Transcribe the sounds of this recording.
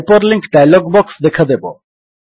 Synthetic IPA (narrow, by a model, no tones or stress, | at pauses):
pɔɾliŋkɖajlɔɡbɔksd̪ekʰad̪ebo̰